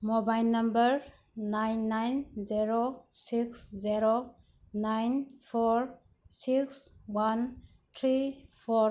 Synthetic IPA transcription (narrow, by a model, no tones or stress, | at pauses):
mobajlnɐmbəɾ | najnːajnzeɾosikszeɾo | najnpʰɔɾ | sikswan | tʰɾipʰɔɾ